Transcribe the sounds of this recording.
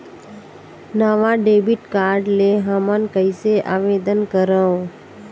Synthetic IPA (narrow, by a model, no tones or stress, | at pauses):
naːʋãɖeːbiʈkaːɾɖleɦaːmankəɪseʔaːʋeːd̪ənkəɾəõ